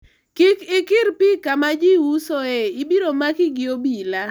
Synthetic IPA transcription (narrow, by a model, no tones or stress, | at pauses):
kɪkɪkɪɾpikamad͡ʒiusoeibiɾomakɪɡɪobila